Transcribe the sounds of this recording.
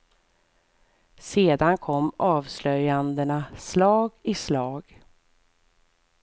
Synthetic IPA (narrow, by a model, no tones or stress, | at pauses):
seːd̪ankʰɔmːɑːvslœjand̪ənaslɑːɡɪslɑːɡ